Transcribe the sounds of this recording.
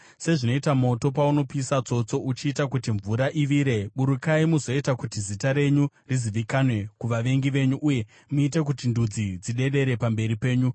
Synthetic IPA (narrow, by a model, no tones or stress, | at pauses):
se̞ʐino̞itamo̞to̞pauno̞piisat͡so̞t͡so̞ʔut͡ʃiːtakutiɱvuɾaʔiʋiːɾe̞ɓuɾukaimuzo̞itakutizitaɾe̞ɲu | riziʋikanwe̞kuʋaʋe̞ŋɡiʋe̞ɲuʔːje̞ | muite̞k̬utindud͡zid͡ziɗe̞ɗe̞ɾe̞pambe̞ɾipe̞ːɲu